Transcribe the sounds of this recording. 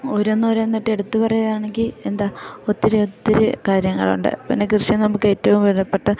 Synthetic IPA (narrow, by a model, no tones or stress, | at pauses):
oɾonːoɾonːiʈːɨe̞ɽut̪ːupɐrɐjɐðaːɳe̞ŋɡile̞nd̪aːot̪ːiɾɨot̪ːiɾɨkaːɾjɐŋːɐ̰ɭṵɳɖɨ̰pinːekrɨɕjɐnɐmukːɨe̞tːɐʋumʋelɐpːe̞ʈːɨ